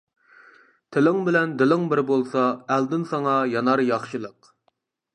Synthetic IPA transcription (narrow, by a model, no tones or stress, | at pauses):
t̪ʰɪlɪŋbɪlɛnd̪ɪlɪŋbɪɾbolˠsɑæld̪ɪnsɑŋɑjɑnɑɾjɑχʃɨlˠəq